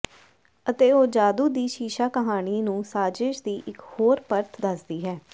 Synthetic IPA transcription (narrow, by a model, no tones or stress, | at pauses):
ət̪eːoːd͡ʒaːd̪uːd̪iːʃiːʃaːkəɦaːñiːnũːsaːd͡ʒɪʃd̪iːʔɪkhoːɾpəɾt̪ʰd̪əsd̪iːɦɛː